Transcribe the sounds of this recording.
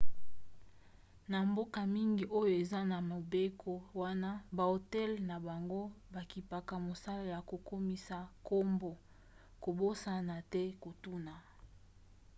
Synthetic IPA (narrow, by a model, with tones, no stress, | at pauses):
na˨mbo˦ka˨mi˦ŋɡi˨ʔo˦jo˨e˨za˦na˨mo˨be˦ko˦wa˦na˦ba˨o˨tɛ˦lna˨ba˨ŋɡo˦ | ba˨ki˨pa˨ka˨mo˨sa˦la˨ja˨ko˨ko˦mi˦sa˨ko˦mbo˨ | ko˨bo˦sa˦na˨tɛ˦ko˨tu˦na˨